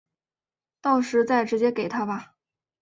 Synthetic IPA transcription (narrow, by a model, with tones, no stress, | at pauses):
t̪ɑ˥˩ʊʂɻ̩˧˥t͡sa˥˩ɪʈ͡ʂɻ̩˧˥t͡ɕjɛ˥ke˨˩ɪt̪ʰa˥bɐ˧